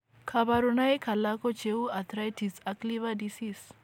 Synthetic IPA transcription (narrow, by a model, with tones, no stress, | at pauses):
kʰaβaɾu˨na˦i˦kʰa˨la˦kɔ˦t͡ʃʰeu˦a˨t̪ʰɾajtʰi˨sakliβadisis